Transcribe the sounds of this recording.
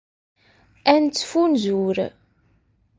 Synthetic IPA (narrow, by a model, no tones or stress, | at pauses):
ænt͡sːfunzuɾ